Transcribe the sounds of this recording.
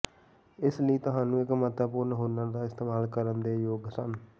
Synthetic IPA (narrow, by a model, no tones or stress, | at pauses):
ɪsləiːt̪ʊɦãːnũːɪkmət̪əpʊːɾnɦʊːnəd̪aːɪst̪eːmaːlkəɾənd̪eːjoːɡsən